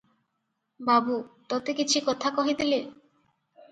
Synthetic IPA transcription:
babut̪ɔt̪ekit͡ɕʰukɔt̪ʰakɔɦid̪ile

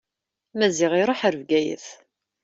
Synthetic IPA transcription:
mæzɪʁiɾˤoħəɾvɡæjə̰θ

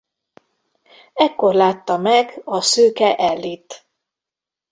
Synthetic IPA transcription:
ɛkːo̞rlaːt̪ːɒmɛɡɒsøːkɛʔɛlːit̪

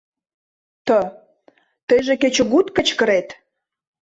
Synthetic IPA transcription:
t̪ə | t̪əjʒeket͡ɕoɣut̪kət͡ɕkə̆ɾet̪

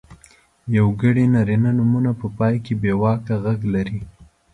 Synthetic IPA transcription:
jawɡəɽinɑɾinanumunapəpɑjkebewɑkaɣaɡlaɾi

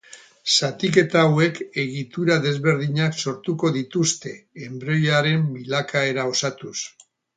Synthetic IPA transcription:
sat̪ike̞t̪aːwe̞ke̞ɣit̪uɾaðe̞zβe̞ɾðiɲakso̞ɾt̪uko̞ðit̪ust̪e̞ːmbɾo̞jaɾe̞mbilakʰae̞ɾao̞sat̪us

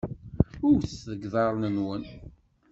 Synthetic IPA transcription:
ʊɾθðəɡðˤɑɾˤnənwən

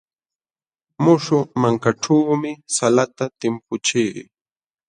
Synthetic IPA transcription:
mʊʃʊmaŋkaʈ͡ʂaːmɪsalat̪at̪ɪmpʊt͡ʃiː

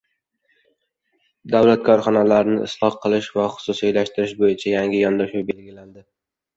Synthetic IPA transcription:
d̪awlat̪̚kʰɒɾχɒnalaɾɪnɪɪ̰slˠɒqʰːɨlˠɪʃvaχʊ̥sʊsiajlaʃt̪ɪɾɪʃbojɪt͡ʃʰajaŋɡʲɪjɒnd̪ɒʃʊbe̞lɡʲɪland̪ɪ

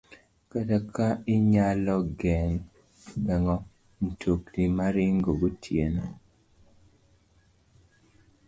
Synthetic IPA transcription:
katakʰaɪɲalɔɡɛŋ | bɛŋɔ | n̩tʰoknimaɾiŋɡoɡotʰjenɔ

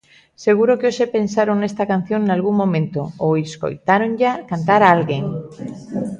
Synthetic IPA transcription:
seɣ̞uɾokeoʃepensaɾoŋnest̪akan̟θjoŋnalɣuŋmːõmẽnt̪ooesko̰jt̪aɾoŋʎakant̪aɾalɣeŋ

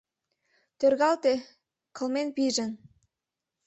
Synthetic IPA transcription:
t̪ørɣɑlt̪e | kʰə̆lmenpiʒə̆n

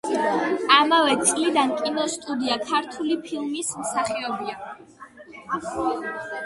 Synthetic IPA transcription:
amavɛt̪sʼlid̪ankʼinɔst̪ʼud̪iakʰaɾt̪ʰulipʰilˠmismsaχiɔbia

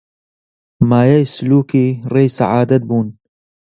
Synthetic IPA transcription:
maːjaːjsʊluːkiːreːjsa̰ʕaːd̪ɐt̪̚buːn

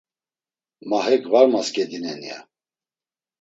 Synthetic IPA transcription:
maɦɛkʰvaɾmaskɛd̪inɛnia̰

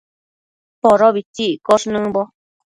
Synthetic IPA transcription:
poɾoβitikoʂnɨ̃bo

